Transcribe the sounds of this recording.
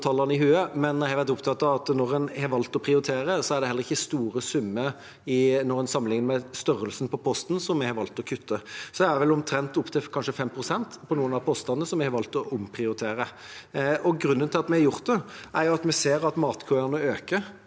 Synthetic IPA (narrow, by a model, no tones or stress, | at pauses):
t̪ʰɑlːəʁnəɪɦʉːəmɛnhɑʋæɾt̪ʊpt̪ʰɑt̪ːɑʋɑt̪nɔʁɛnhɑʋɑlt̪ɔpʰɾɪʊɾɪt̪ʰeːɾəsɔæɾɖ̪ɛhɛlːəʁɪçːəst̪uːɾəsʉmːə | ɪnɔɾɛnsɑmːəlɪŋnəmɛst̪œɾəlsnpʰɔpʰɔst̪n̩sɔmːɛɪhɑɾʋɑlt̪ɔkʰʉt̪ʰːəsɔd̪ɛæɾʋɛlʊmt̪ʰɾɛnt̪ʊpt̪ʰɪlkʰɑnʂəfɛmpʰɾʊsɛnt̪pʰɔnuːənɑpʰɔst̪ɑnəsɔmɛɪhɑɾʋɑlt̪ɔʊmpʰɾɪʊɾɪt̪ʰeːɾə | ɔɡɾʉnːənt̪ʰɪlɑt̪mɛhɑjʊʁt̪̚d̪ɛʔæɾjʊɑt̪mɛseːɾɑt̪mɑːt̪kʰɔənəøːkə